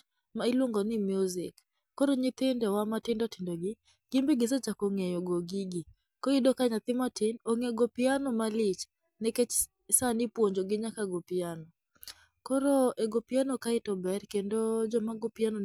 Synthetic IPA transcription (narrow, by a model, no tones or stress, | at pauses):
mailwoŋɡɔnɪmjuzɪkː | ɔɾɔɲɪt̪ɪndɛwamatɪndɔtɪndɔɡɪ | ɡ̥ɪmbiɡɪs̬ɛt͡ʃakoŋɛjɔɡoɡiɡi | kɔidɔkaɲat̪ɪmatɪnoŋɛɡopɪanɔmalɪt͡ʃ | nɛkɛt͡ʃ | sanɪpwoɲd͡ʒoɡɪɲakaɡopianɔ | kɔɾoʔɛɡopɪanɔkaɪtɔbɛɾkɛndod͡ʒɔmaɡɔpɪanɔ